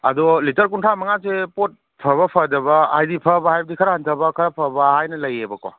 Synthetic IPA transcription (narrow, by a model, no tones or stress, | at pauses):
ɐ̰dɔlitɐɾkuntʰɾamɐŋasepot̚ | pʰɐβɐpʰɐdɐbɐhajdipʰɐbɐɦajbɐdikʰɐɾahantʰɐbɐkʰɐɾapʰɐbɐhajnɐlɐjebɐkwa̰